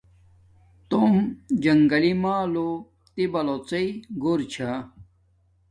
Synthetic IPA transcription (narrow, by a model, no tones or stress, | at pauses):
t̪omd͡ʑɐŋɡɐlimaːlo | t̪ibɐlot͡seiɡoɾt͡ɕʰa